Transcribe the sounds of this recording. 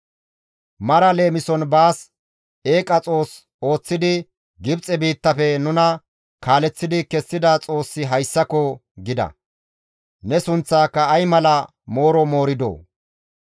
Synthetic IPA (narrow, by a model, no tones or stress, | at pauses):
mɐɾɐle̞ːmɪsɔnbaːs | e̞ːkʼɐt͡sʼo̞ːs | o̞ːt͡sːɪd̪ɪ | ɡɪbt͡sʼɛbiːt̪ːɐfɛnʊnɐ | kaːlɛt͡sːɪd̪ɪkɛsːɪd̪ɐt͡sʼo̞ːsːɪɦɐjsːɐkɔ | ɡɪd̪ɐ̰ | nɛsʊnt͡sːaːkːɐːjmɐlɐ | mo̞ːɾɔmo̞ːɾɪd̪o̰ː